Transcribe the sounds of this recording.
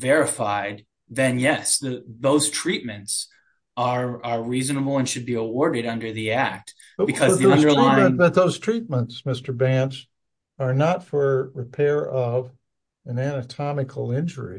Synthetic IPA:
vɛɹɨfaɪd̪̚ | ðɨ̃njɛsðɨðoʊz̥tʰɹ̥it̚mɨ̃nts | ə˞ə˞ɹiznəbl̩ˠə̃nʃɨd̚biəwɔɹɾɨɾʌ̃ndə˞ðiæk̚t̚ | bɨkʰʌzðiʌ̃də˞laəðɨt̪̚ðoʊz̥tʰɹ̥it̚mə̃ntsmɪstə˞bæ̃nt͡ʃ | ə˞nətfə˞ɹɨpʰɛɹʌv | ɨ̃nænɨtʰɑmɨkʰl̩ˠɪ̃nd͡ʒə˞ḭ

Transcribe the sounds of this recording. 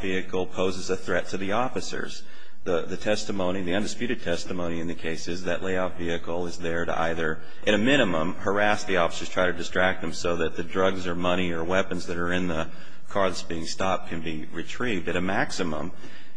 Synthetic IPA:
viɨkl̩ˠpʰoʊzɨzɨθɹɛtʰɨðiɔfɨsə̰˞z̥ | ðəðɨtʰɛstɨmõʊ̃ñiðiʌ̃ndɨspjʉɾɨd̚tʰɛstəmõʊɾ̃iɨ̃nðɨkʰeɪsɨzðɨʔlʔeɪɑfviɨkl̩ˠɪzðə˞ɾə̰ʔa̰ɪðə˞ | ʔɨɾɨmɪ̃ɾ̃ɨmə̃mhə˞æsðiɔfə̥sə˞ztʰɹ̥aɪɾɨdɨstɹ̥æk̚t̪̚ðɨ̃m̩soʊðɨt̪̚ðɨdɹʌɡzə˞mʌɾ̃iə˞wɛpɨ̃nzðɨɾə˞ɪ̃nðə | kʰɑɹsb̥iɪ̃ŋstɑp̚kʰɨ̃nbi | ɹɨtʰɹ̥ivdɨɾɨmæksɨmə̰̃m

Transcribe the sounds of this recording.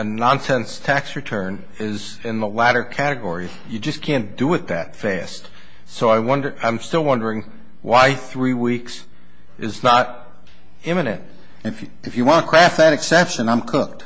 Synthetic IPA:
ɨnɑ̃nsɛ̃nstʰæksɹɨtʰɜ̃˞n | ɪz | ɪ̃nðəlæɾə˞kʰæɾɨɡɔɹiɨ | jɨd͡ʒʌskʰæ̃nd̥əɨt̪̚ðɨtfæst | soʊaɪwʌ̃ndə˞ʔãɪ̃mstɪlˠwʌ̃ndə˞ɪ̃ŋ | waɪθɹiwiks | ʔɨznəɾ | ɪ̃mɨnɨ̰̃nt̚ | ɨf | ɨfjɨwɑ̃nəkʰɹ̥æft̪̚ðɨɾɨksɛpʃɨ̃nãɪ̃mkʰʊk̚t̚

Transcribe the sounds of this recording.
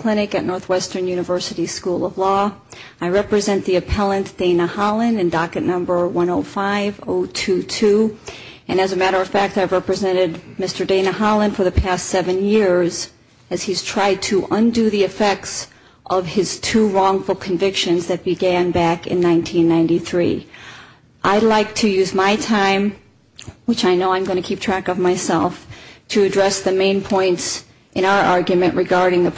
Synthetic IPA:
l̥ɪ̃ñɨkɨtⁿnɔɹθwɛstə̃˞njʉnɨvɜ˞sɨɾiskulˠʌvlɔaɪɹɛpɹɨzɛ̃nðiɨpʰɛlˠə̃nd̥ẽɪ̃nəhɑlˠɨ̃nɨ̃ndɑkɨtⁿnʌ̃mbə˞wʌ̃noʊfaɪvoʊtʰʉtʰʉ | ɨ̃nɨzɨmæɾə˞ʌv̥fæk̚taɪvɹɛpɹɨzɛ̃ɾ̃ɨd̚mɪstə˞dẽɪ̃nəhɑlˠə̃nfə˞ðɨpʰæstsɛvɨ̃njɪɹz | ɨz̥iz̥tʰɹ̥aɪd̚tʰɨʔʌ̃ndɨðiɨfɛk̚ts | ʔʌv̥ɪz̥tʰuɹɔ̃ŋfl̩ˠkʰɨ̃ɱvɪkʃɨ̃nzðɨt̚b̥ɨɡæ̃nbækɨ̰̃nːãɪ̃ntʰĩnːãɪ̃ntiθɹḭ | ʔaɪdˡlaɪk̚tʰɨjʉzmaɪtʰãɪ̃m | wɨt͡ʃaɪnoʊãɪ̃mɡʌñɨkʰip̚tʰɹ̥ækʌvmaɪsɛlˠftʰɨɨdɹɛsðɨmẽɪ̃npʰɔ̃ɪ̃nts | ʔɨ̃ñaʊə˞ʔɑɹɡjɨmɨ̃nʔɹʔɨɡɑɹɾɪ̃ŋðɨ

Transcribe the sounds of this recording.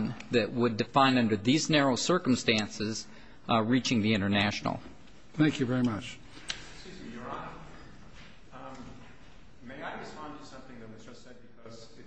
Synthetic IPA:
nðɨʔ̚wədɨfãɪ̃nʌ̃ndə˞ðiznɛɹoʊsɜ˞km̩stæ̃nsɪz | ɹit͡ʃɪ̃ŋðiɪ̃ɾ̃ə˞næʃn̩̰l̩ˠ | θæ̃ŋkʰjʉvɛɹimʌt͡ʃ | sʉzjə˞ɑnə | meɪaɪɹɨspɑ̃ntʰɨsʌ̃mθɪ̃ŋðɨt̚wʌzd͡ʒʌstsɛd̚bɨkʰʌz

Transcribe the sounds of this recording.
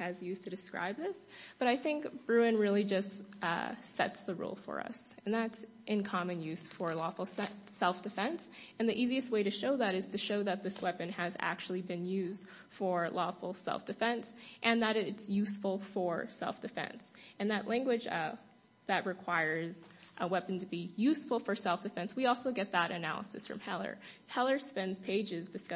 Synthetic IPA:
ɨzjʉstʰɨdɨskɹa̰ɪb̚ðɪsb̥ʌɾaɪθɪ̃ŋkb̥ɹʉɨ̃nɹɪlˠid͡ʒʌstʌ̰sɛ̰tsðəɹṵlˠfə̰˞ʌ̰sɨ̃n̩ðæts | ʔɨ̃nkʰɑmɨ̃njʉz̥fə˞lɔfl̩ˠssɛlˠfd̥ɨfɛ̃nsɨ̃nðiʔiziɨst̚weɪɾɨʃoʊðɨɾɨz̥tʰɨʃoʊðɨt̪̚ðɪswɛpɨ̃nɨzæ̰k̚t͡ʃʉl̩ˠibɨ̃njʉzd̥ | fə˞lɔfl̩ˠsɛ̰lˠfd̥ɨfɛ̃nsʔɨ̃nðəɾɪtsjʉsfl̩ˠfə˞sɛ̰lˠfd̥ɨfɛ̰̃nsɨ̃nðɨʔˡlʔæ̃ŋɡwɨ̥d͡ʒ | ðɨt̚ɹɨkʰw̥aɪə˞zʔwɛpn̩tʰɨbijʉsfl̩ˠfə˞sɛlˠfd̥ɨfɛ̃nswiɔlˠsoʊɡɛt̪̚ðəɾɨnæ̰lˠə̰sɨsfɹʌ̰̃mhɛlˠə̰˞hɛlˠə˞spɛ̃nz̥pʰeɪd͡ʒɪzdɨs

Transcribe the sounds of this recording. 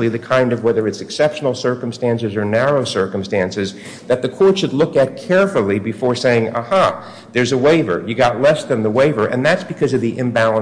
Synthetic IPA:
lˠiðɨkʰãɪ̃ndʌvwɛðə˞ɨtsɨksɛpʃn̩l̩ˠsɜ˞km̩stæ̃nsɨzə˞næɹoʊsɜ˞kə̃m̩stæ̃nsɨz | ðɨt̪̚ðɨkʰɔɹtʃɨdˡlʊkɨt̚kʰɛɹfl̩ˠibɨfɔɹseɪɪ̃ŋəhɑ | ðə˞zəweɪvə̰˞jɨɡɑtˡlɛsðɨ̃nðəweɪvə˞ʔɨ̰̃nðætsb̥ɨkʰʌzʌvðiʔɨ̃mbælˠə̃

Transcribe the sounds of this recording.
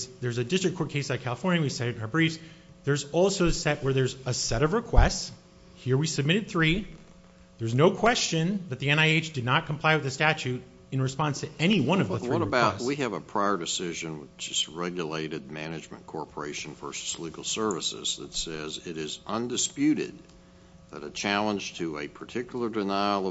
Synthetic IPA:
ðə˞zɨdɪstɹ̥ɨkʰɔɹkʰeɪsɨt̚kʰælˠəfɔɹnjɨwisɛɾɨɾɨ̃nə˞bɹifs | ðə˞zɔlˠsoʊɨsɛʔ̚wə˞ðə˞zəsɛɾʌvɹɨkʰw̥ɛsts | hiɹwisɨb̚mɪɾɨd̪̚θɹi | ðə˞znoʊkʰw̥ɛst͡ʃɨ̃nðɨt̪̚ðiɛ̃naɪeɪt͡ʃd̥ɨdⁿnət̚kʰm̩pʰl̥aɪwɨðɨstæt͡ʃʉɾ | ɨ̃nɹɨspɑ̃nstʰɨɛñiwʌ̃nʌvðɨθiʌɾəbaʊɛwiɨvəpʰɹ̥aɪə˞dɨsɪʒɨ̃nwəðd͡ʒʌs̚ɹɛɡjleɪɾɨd̚mænɨd͡ʒmɨ̰̃nkʰɔɹpʰə˞eɪʃn̩fɜ˞sɨ̥sliɡl̩ˠsɜ˞vɨsɪ̰z̥ðɨ̰tsɛzɪɾɪzʔʌ̃ndɨspjʉɾɪ̰d̪̚ | ðɨɾɨt͡ʃʰælˠə̃nd͡ʒ̥tʰɨɨ̰pʰə˞tʰɪkjl̩ˠə˞dɨnaɪl̩ˠʌ

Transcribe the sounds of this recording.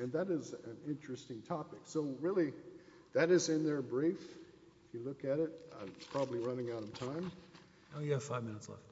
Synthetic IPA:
ɨ̃nðɨɾɪzɨ̃nɪ̃nt͡ʃɹ̥ɨstɪ̃ŋtʰɑpɨksoʊɹɪlˠi | ðɨɾɨzɨ̃nðə˞bɹif | ɪfjɨlʊkɨɾɪt̚a̰pʰɹ̥ɑbəbliɹʌnɪ̃ŋaʊɾʌv̥tʰãɪ̃m | oʊjfaɪvmɪ̃nətslɛ̰ft

